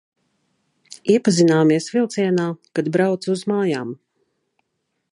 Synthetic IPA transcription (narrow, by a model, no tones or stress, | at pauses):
iɛpazinaːmiɛsvilˠt̪sʲiɛnaːkad̪bɾawt̪suzmaːjaːm